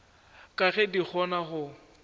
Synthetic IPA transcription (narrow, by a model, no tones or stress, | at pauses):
kʼaɣɛdik͡xʰɔnaχʊ